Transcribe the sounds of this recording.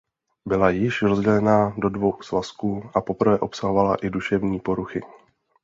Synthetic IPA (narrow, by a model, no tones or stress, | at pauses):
bɪlajɪʃɾozɟɛlɛnado̞dvo̞wxsvaskuːʔapo̞pɾ̩vɛːʔo̞psaɦo̞valaʔɪduʃɛvɲiːpo̞ɾuxɪ̰